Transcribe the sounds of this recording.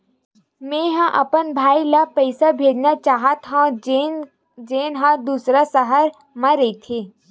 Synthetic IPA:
mẽːɦãʔɐpənbʱaːilapəɪsabʱeːd͡ʒnat͡ʃaːɦət̪ɦã | d͡ʒeːnɦãd̪uːsɾasɐɦəɾ | mɐ̃ɾɐit̪ʰeː

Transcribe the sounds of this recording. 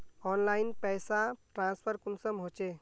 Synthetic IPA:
ɔnlainpɛjsaʈɾãnspʰəɾkunsəmɦot͡ʃe

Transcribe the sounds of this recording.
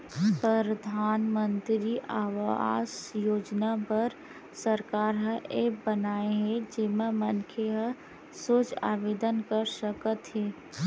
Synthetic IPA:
pɾəɾəd̪ʱaːnmə̃nt̪ɾiʔaːʋaːsjoːd͡ʒnapəɾ | səɾkaːɾɦə̃ʔeːk̚bənaːeɦɛd͡ʒemẽmənkʰeɦə̃ | soːt͡ʃa̰ːʋeːd̪ənkəɾsəkət̪ɦɛː

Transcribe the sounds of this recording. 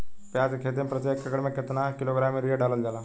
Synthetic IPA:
pjaːd͡ʒkʰeːt̪̬empɾɐt̪jeːkːɐkəɽmẽkɪt̪nakɪloːɡɾaːmeɾijaɖaːləld͡ʒaːlaː

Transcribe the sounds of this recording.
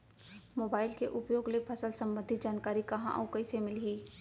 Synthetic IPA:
moːbaːɪlkeʔʊpjoːɡlepʰɐsəlsɐ̃mbə̃nd̪ʱit̪d͡ʒaːnkaːɾikɐɦã̰ʔɔ̰wkɐisemɪlɦiː

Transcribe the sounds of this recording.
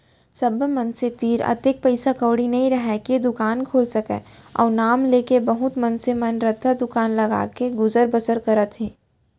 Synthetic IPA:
sɐbmɐnset̪iːɾɐ̰t̪ek̚pɐɪsakəːwɽinɐɦĩɾɐɦɛkied̪ʊkaːnkʰoːlsɐkɛ̰ːɔ̰ːɾnaːmleːkebɐɦʊt̪mɐnsemɐnɾət̪ʰːad̪ʊkaːnlɐɡa̰ːkeɡʊzəɾbəsəɾkɐɾət̪ɦẽː

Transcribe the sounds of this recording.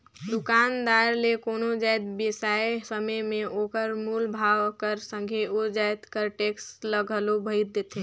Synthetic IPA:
d̪ʊkaːnd̪aːɾlekoːnod͡ʒaːjd̪besaːesəməjmẽoːkəɾmulbʱaːʋkəɾsə̃ŋɡʱeod͡ʒajt̪kəɾʈeːksləɡʱəlobʱəɪɾd̪eːt̪ʰẽ

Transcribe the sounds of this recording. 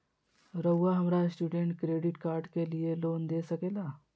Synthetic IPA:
ɾəwːaɦəmɾasʈuːɖeɳʈkɾeɖiʈkaːɾɖkelijeloːnd̪esəkela

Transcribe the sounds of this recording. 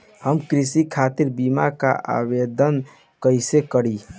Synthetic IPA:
həmkɾisikʰat̪iɾbimaka̰ʔa̰bed̪ən | kəjsekəɽi

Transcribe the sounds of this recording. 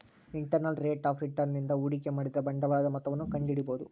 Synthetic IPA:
iɳʈɐɾnɐlɾeːʈaːfɾiʈɐɾnːind̪ɐuːɽikemaːɽid̪ɐbɐɳɖɐʋaːɐd̪ɐmɐt̪ːɐʋɐnːukɐɳɖiɽibo̞ːd̪u

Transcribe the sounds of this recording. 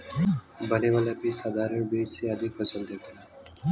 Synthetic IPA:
bəneʋaljabisad̪ʱaɾəɳbiːd͡ʒseəd̪ʱikpəsəld̪et̪e

